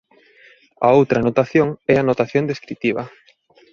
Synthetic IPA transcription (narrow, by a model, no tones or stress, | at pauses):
ɐ̰owt̪ɾɐnot̪aθjoŋɛanot̪aθjond̪eskɾit̪iβɐ̰